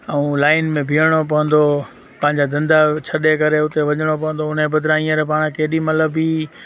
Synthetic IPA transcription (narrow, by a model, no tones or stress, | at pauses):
ɛũlaːɪnmẽbʱiəɽ̃op̬ɐʋə̃nd̪o | pɐ̃ɦɪ̃ɲd͡ʑad̪ɐ̃nd̪at͡ɕʰɐɗekɐɾeʊt̪eʋɐɲəɽ̃opɐʋə̃nd̪oʊn̤ebɐd̪ʱɾaĩːəɾpaːɽ̃keːɗimɐləbi